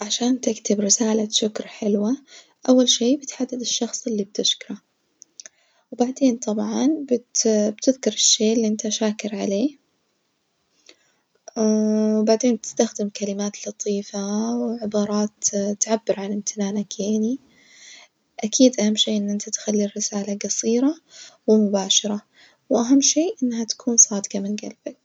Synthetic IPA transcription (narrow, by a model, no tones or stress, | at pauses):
ʕaʃaːnt̪ɪkt̪ɪbɾɪsaːlaʃʊkɾħɪlwa | ʔawːalʃeːbɪt̪ħad̪ːɪd̪ɪʃːɑxsˤɪlːib̚t̪ɪʃkɾˤa | wbaʕd̪eːnt̪ˤɑbʕɑnbɪt̪bt̪ɪðkɑɾˤɪʃːeːʔɪlːiʔɪnt̪aʃaːkɪɾʕa̰leː | wbaʕd̪eːnbɪt̪ɪ̥st̪axd̪ɪmkalɪmaːt̪lɑt̪ˤiːfawɪʕɪbɑːɾˤɑːt̪t̪ʕabːɪɾʕalɪmt̪ʰɪnaːnakʰeːni | ʔakʰiːd̪ʔahamːʃeːʔɪnːʔɪnt̪at̪xalːirːɪsaːlaɡɑsˤiːɾawɪmʊbaːʃɑɾˤa | wʔaɦamːʃeːʔɪnːɦat̪ḁkʰuːnsˤɑːd̪ɪqamɪnɡa̰lb̥ak̚